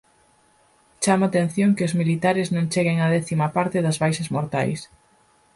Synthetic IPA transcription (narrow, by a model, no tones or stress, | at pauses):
t͡ʃamaːt̪en̟θjoŋkɪʊzmilit̪aɾɪznõŋt͡ʃeɣeŋɐðɛθimɐpaɾt̪ɪðɐzβajʃɐzmoɾt̪a̰js